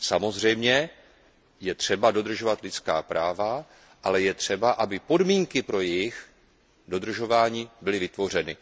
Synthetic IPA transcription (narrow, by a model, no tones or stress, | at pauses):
samo̞zr̝ɛjmɲɛ | jɛt̪r̝̥ɛbado̞d̪r̩ʒo̞vat̪lɪt͡ska̰ːpɾʔaːva | ʔalɛjɛt̪r̝̥ɛbaʔabɪpo̞dmiːŋkɪpɾo̞jɛjɪx | do̞d̪r̩ʒo̞vaːɲiːbɪlɪvɪt̪vo̞r̝ɛnɪ